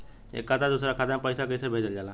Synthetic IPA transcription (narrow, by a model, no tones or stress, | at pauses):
ḛːkːat̪ʰad̪usɾakʰad̪ãmpəɪsakəsebʱeːd͡ʒəld͡ʒaːla